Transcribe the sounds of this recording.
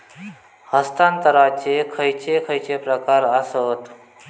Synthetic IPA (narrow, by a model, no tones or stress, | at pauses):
həst̪ant̪əɾat͡ɕekʰəjt͡ɕekʰəjt͡ɕepɾəkaɾasət̪